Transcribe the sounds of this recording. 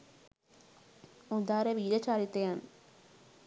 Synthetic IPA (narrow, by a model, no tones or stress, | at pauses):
ʊd̪aːɾɐʋiːɾɐt͡ʃaːɾit̪ːɐjaːn